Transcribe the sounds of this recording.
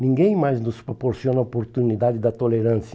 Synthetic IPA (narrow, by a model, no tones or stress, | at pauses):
nĩŋɡẽj̃majznʊspɾopoɾsiõnɐopoɾt̪unid̪ad̪ɪd̪ɐt̪oleɾɐ̃nsjɐ